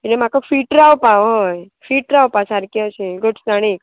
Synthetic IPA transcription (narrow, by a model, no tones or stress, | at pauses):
inem̤akəfiːʈɾawpaɦəj | fiːʈɾawpasaɾkeəseɡoʈsaɽ̃iːk